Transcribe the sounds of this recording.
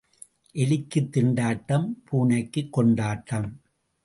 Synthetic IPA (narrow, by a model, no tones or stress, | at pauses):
ʔɛlɪkːɯt̪ːɪɳɖaːʈːɐmpʰuːnɐɪkːɯkːɔɳɖaːʈːɐm